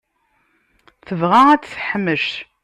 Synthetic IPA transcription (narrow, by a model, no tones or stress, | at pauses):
θəvʁaæt͡sːθħəmːəʃt